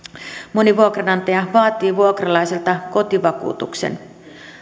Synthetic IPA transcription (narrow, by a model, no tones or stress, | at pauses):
moniʋuokrɑnɑnt̪ɑjɑʋɑːt̪iːʋuokrɑlɑjselt̪ɑko̞t̪iʋɑkṵːt̪ṵksḛn